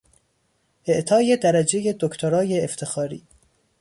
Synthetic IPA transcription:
ʔeʔt̪ʰɒːje̞d̪æɾæd͡ʒejed̪okʰt̪ʰoɾɒːjeːft̪ʰexɒːɾḭː

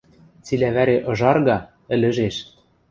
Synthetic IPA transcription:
t͡silæβæɾeʔɤ̆ʒɑrɣɑ | ɘ̆lɘ̆ʒeʃ

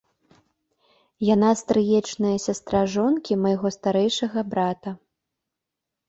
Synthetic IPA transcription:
janast̪ɾɨjɛt͡ʂnɐjɐsʲast̪ɾaʐɔnkʲimɐjɣɔst̪aɾɛjʂɐɣɐbɾat̪ɐ

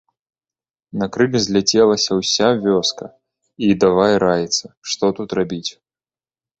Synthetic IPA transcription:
nɐkɾɨɡzʲlʲɛt͡sʲɛlˠɐsʲɐwsʲavʲɔskɐ | id̪avajɛɾajɛt̪sɐʂt̪ɔt̪ut̪rabʲit͡sʲ

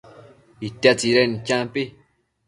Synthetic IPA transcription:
it̪at͡siɾenit͡ʃãmpi

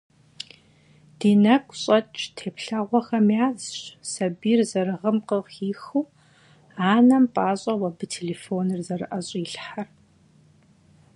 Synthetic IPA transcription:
d̥iːnɐkʷʼɕʼɐt͡ʃʼtʰeːpɬaʁʷɔxɐmjaːzɕsɐbiːrzɐɾɨʁɐmqəʁiːxuː | aːnɐmpʼaːɕʼɐwɐbɨtʰeːleːfoːnɨrzɐrɨʔɐɕʼiɬħar

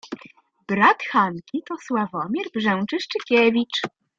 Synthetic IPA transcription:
b̥ɾat̪xankʲit̪ɔswavɔmʲjɛɾbʐɛw̃t͡ʂɘʂt͡ʂɘkʲɛvʲit͡ʂ

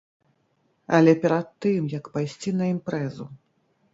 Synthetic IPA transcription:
ɐlʲɛpʲɛɾɐt̪ːɨmjɐkpajsʲt͡sʲinɐimpɾɛzu

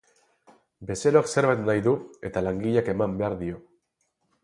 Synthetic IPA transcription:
be̞se̞ɾoakse̞ɾβajt̪najðue̞t̪alaŋɡiʎake̞mambe̞aɾðio̞

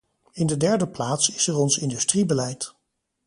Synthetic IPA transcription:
ɪndədɛɹdəplaːtsɪsəɹɔnsɪndystribəlɛjt

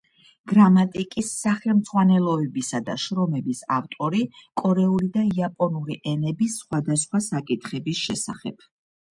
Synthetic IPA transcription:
ɡ̥ɾamat̪ʼikʼisːaχɛlˠmd̪zʼʁwanɛlˠɔɛbisad̪a̰ʃɾɔmɛbisaft̪ʼɔɾikʼɔɾɛulid̪aiapʼɔnuliʔɛnɛbisːχwad̪asχwasakʼit̪ʰχɛbisʃɛsaχɛ̰b̥

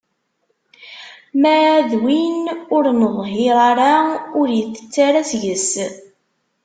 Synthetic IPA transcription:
mæðwinʊɾnəðˤɦɪɾˤaɾaʊɾjəθːə̥t͡sːaɾæsʝəs

